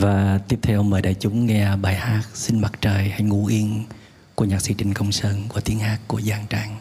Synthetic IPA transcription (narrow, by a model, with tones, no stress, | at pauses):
vaː˨˩t̪i˦˥əp̚t̪ʰɛ˧wʔə˧ŋ͡mmɓəː˧˩ɗaː˨˩jt͡ɕʊ˨˦ŋ͡mŋɛ˧ɓaː˧˩jhaː˦˥k̚sï˧nma˨˩k̚t͡ɕəː˨˩jha˧jŋṵ˧˩ʔi˧ən | ku˧˩əɲaː˨˩k̚sḭ˧˦t͡ɕï˨˩ŋ̟kə˧wŋ͡msəː˧nku˧˩ət̪i˨˦ənhaː˦˥kkːu˧˩əzaː˧˩ŋt͡ɕaː˧˩ŋ